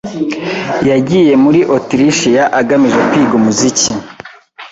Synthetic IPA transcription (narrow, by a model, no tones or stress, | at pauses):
jaɟije̞muɾiʔotiɾiʃijaʔaɡamiʒekwiːɡumuzici